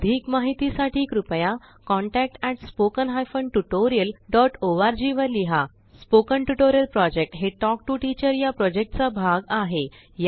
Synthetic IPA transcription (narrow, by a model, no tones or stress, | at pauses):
əd̪ʱiːkmaɦit̪isaʈʰiːkɾupja | kɔ̃ɳʈæk̚ʈɛʈspokənɦajfəɳɖʈuʈoɾijəlɖɔʈoʋaɾd͡ʑiʋəɾliɦa | spokənʈuʈoɾijəlpɾɔd͡ʑek̚ʈɦeʈɔk̚ʈuʈit͡ɕəɾjapɾɔd͡ʑek̚ʈt͡sabʱaɡaɦe | j